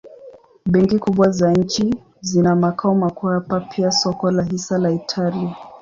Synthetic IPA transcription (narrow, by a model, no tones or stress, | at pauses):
ɓɛŋkikuɓwazaɲ̩t͡ʃi | zinamakaɔmakuhapapʰiasɔkɔlaɦisalaitʰalia